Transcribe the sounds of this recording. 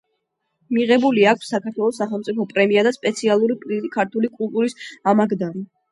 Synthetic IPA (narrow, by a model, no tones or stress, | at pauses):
miʁɛbuliakʰʷsːakʰaɾt̪ʰwɛlˠɔsːaχɛlˠmt̪sʼipʰɔpʼɾɛmiad̪aspʼɛt̪sʰialˠuɾipʼɾikʰaɾt̪ʰulikʼulˠt̪ʼuɾisamaɡd̪aɾi